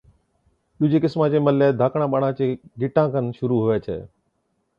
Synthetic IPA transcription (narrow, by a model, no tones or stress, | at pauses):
ɗʊd͡ʑeːkɪsmãːt͡ɕeːməlːeːd̪ʱaːkɽ̃ãːɓaɽãːt͡ɕeːɡʱɪʈãːkənʃʊɾuɦʊeːt͡ɕʰḛː